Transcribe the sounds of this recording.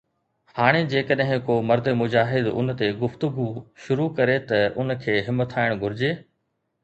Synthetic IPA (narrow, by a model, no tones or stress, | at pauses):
haːɽ̃ed͡ʑeːkəɗɦɪ̃koːmɐɾd̪emʊd͡ʑaːɦɪd̪ʊ̰n̆t̪eɡʊft̪ʊɡuʃʊɾukɐɾet̪ɐʔʊnkʰeːɦɪmət̪ʰaːɪɽ̃ɡʱʊɾɪd͡ʑeː